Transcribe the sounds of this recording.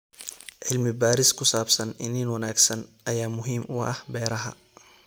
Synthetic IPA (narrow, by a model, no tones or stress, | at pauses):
ʕɪlmɪbaːɾɪskʰʊsaːbsɐnɪniːnwɐnaːɡsɐnʔɐjaːmʊɦiːmʊɐ̰hbɛːɾɐɦɐ̰